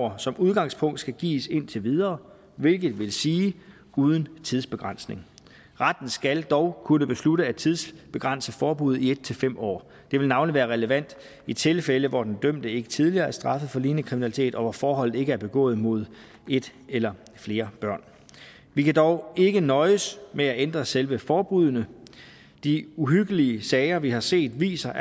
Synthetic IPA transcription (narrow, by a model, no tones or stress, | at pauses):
sɒ̽muðˠɡ̥ɑ̈ŋspʰɔ̽ŋ̰d̥sɡ̥æɡ̥ḭːse̝n̰t͡sʰe̝ʋiðˠɐː | ʋe̝lɡ̥ð̩ˠʋe̝lsiː | uːð̞ˠn̩t͡sʰiðˠsb̥e̝ɡ̥ʁɑn̰sne̝ŋ | ʁɑ̈d̥n̩sɡ̥æld̥ɒʊkʰunəb̥e̝sluɾəæ̥t͡sʰiðˠsb̥e̝ɡ̥ʁɑ̈n̰səfɒːb̥uð̩̰ˠied̥̚t͡sʰe̝lfem̰ɒ̰ː | d̥e̝ʋelnɑ̈ʊnliʋæːɐʁɛləʋæn̰d̥ | it͡sʰe̝lfeləʋɒd̥end̥øm̰d̥əe̝ɡ̥ə̥t͡sʰið̞ˠliɐːæɐsd̥ʁɑ̈fəð̩ˠfɒ̽liːnəkʰʁiminælit͡sʰe̝̰ːd̥ɒ̽ʋɒfɒːɦɒ̽l̰ð̩ˠe̝ɡ̥əæɐb̥e̝ɡ̥ɔ̰̽ːð̞̩ˠmo̝ð̞̰ˠ | e̝d̥elɐ | fle̝ːɐb̥ɶɐ̰n | ʋikæd̥ɒʊe̝ɡ̥ənɒ̽ɪəsmeæend̥ʁɐselʋəfɒːb̥ʁuðˠnə | d̥iuɦyɡ̥əliəsɛɪɐʋihɑ̈se̝̰ːd̥ʋḭːsɐ